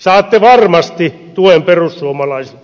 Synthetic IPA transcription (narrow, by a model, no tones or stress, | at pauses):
sɑːt̪ːeʋɑrmɑst̪i | t̪uemperussuomɑlɑise̥